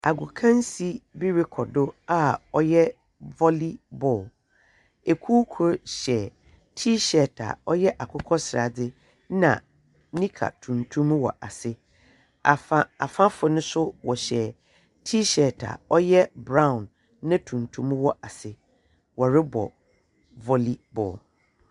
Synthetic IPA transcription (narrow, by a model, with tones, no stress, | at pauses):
a˨ɡʊ˨kʰã˦n˦si˦bi˦ɾɪ˦kʰɔ˨dʊ˦a˦ɔ˦jɛ˦ | vɔ˦li˦bɔː˦˨l | e˨kʰu˦kʰʊ˨˦ɕɛ˨ | tʰi˦ɕɛ˨tʰa̰˨ɔ˦jɛ˦ʔa˨kʰʊ˦kʰɔ˦sɪ˨ɾa˨dɪ˦ | nã̰˨ | nĩ˦kʰa̰˨tʰũ˨ntʰũ˦m˦wɔ̰˨ʔa˨sɪ˦ | a˨a˦a̰˨fã˦fʊ˨nʊ̃˦sʊ˦wɔ˨ɕɛ˨ | tʰiː˦ɕɛ˨tʰa̰˨ɔ˦jɛ˦bɾã˦ʊ̃˨nː | ã˦tʰũ˨ntʰũ˦m˦wɔ˨ʔa˨sɪ˦ | wɔ˨ɾɪ˦bɔ̰˨ | vɔ˦li˦bɔ̰˨l